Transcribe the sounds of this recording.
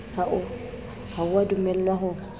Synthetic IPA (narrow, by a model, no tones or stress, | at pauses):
haʔɔ | hawadumɛlːwaɦɔ